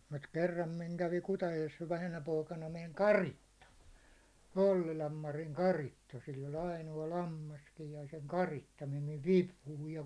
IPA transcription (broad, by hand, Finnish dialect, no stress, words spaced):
mut kerːɑm miŋ kæʋi kutɑjojes ʋæhænæ poikɑnɑ meŋ kɑritːɑ olːilɑm mɑriŋ kɑritːɑ silː olʲ ɑinoɑ lɑmːɑskij jɑ seŋ kɑritːɑ mem miʋ ʋipuhuij jɑ